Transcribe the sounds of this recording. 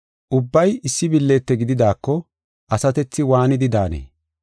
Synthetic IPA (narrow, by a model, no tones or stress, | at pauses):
ʔʊbːɐjɪsːɪbɪlːe̞ːt̪ːɛɡɪd̪ɪd̪aːkːɔ | ʔɐsɐt̪ɛt͡sːɪwaːnɪd̪ɪd̪aːnḛː